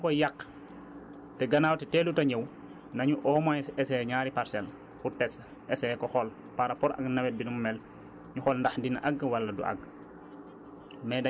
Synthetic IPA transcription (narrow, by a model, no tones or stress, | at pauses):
kɔjakː | tɛɡɐnaːwtɛtɛːlutɐɲəw | nɐɲuʔɔːmajsɛsɛɲaːɾipaɾsɛl | kutɛs | ɛsɛkɔxɔl | paɾapɔɾɐ̰knɐwɛt̚binummɛl | ɲuxɔlndaxdinʔɐɡwɐlːɐdṵʔɐ̰ɡ̚ | mɛdɐ